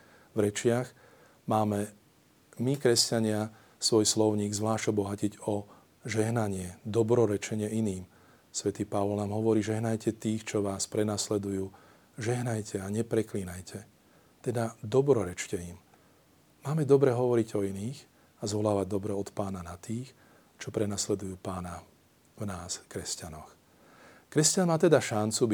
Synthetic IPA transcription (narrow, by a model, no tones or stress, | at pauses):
vɾɛt͡ʃɪaɣ | maːmɛ | mikɾɛscaɲɪa | sʋɔjslɔʊɲiːɡzʋlaːʃɔbɔɦaciɟɔ | ʒɛɦnaɲɪɛd̪ɔbɾɔɾɛt͡ʃɛɲɪɛiniːm | sʋɛt̪iːpaʋɔlnaːmɦɔʋɔɾiːʒɛɦnajcɛt̪iːxt͡ʃɔʋaːspɾɛnaslɛd̪ujuː | ʒɛɦnajcʰɛaɲɛpɾɛkliːnajcʰɛ | t̪ɛd̪ad̪ɔbɾɔɾɛt͡ʃcɛim | maːmɛd̪ɔbɾɛɦɔʋɔɾiɟɔiniːx | azʋɔlaːʋaɟ̚d̪ɔbɾɛɔt̪paːnanat̪iːx | t͡ʃɔpɾɛnaslɛd̪ujuːpaːna | vnaːskɾɛscanɔx | kɾɛscanmaːt̪ɛd̪aʃant͡sub